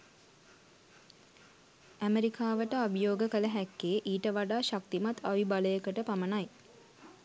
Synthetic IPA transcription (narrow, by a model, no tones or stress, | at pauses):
æmeɾikaːʋəʈəabjoːɡəkələɦækːeːʔiːʈəʋaɖaːʃak̚t̪imat̪ʰːaʋibaləjəkəʈəpamənaj